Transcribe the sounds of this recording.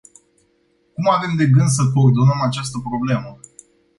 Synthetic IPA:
kumave̞md̪e̞ɡɨnd̪s̬əkord̪onəmat͡ʃast̪əpɾo̞ble̞mə

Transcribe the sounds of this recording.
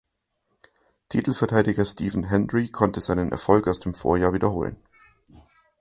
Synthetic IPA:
tʰiːtl̩fɛɐtʰaɪdɪɡɐstiːvn̩ɦɛnʁikʰɔntəzaɪnənʔɛ̰ɐfɔlkaʊsd̥eːmfo̰ːɐjaːɐviːdɐhoːlə̰n

